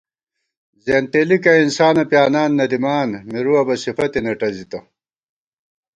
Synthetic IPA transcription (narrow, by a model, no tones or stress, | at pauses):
zeːnt̪eːlikɐinsaːnɐpjaːnaːnːɐd̪imaːnmiɾuɐbɐsifɐt̪inɐʈɐzit̪ɐ